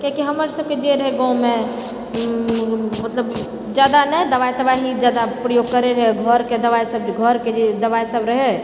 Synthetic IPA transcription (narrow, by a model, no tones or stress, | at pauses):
kãkiɦəməɾsəb̚ked͡ʒeɾəɦeɡãũmẽ | mət̪ləb | d͡ʒjaːd̪anəɛd̪əʋajt̪əbailid͡ʒaːd̪apɾəjoːɡ̚kəɾeɾəɦeɡʱɔɾked̪əʋajsəb̚d͡ʒɡʱɔɾked͡ʒed̪əʋajsəbɾəɦe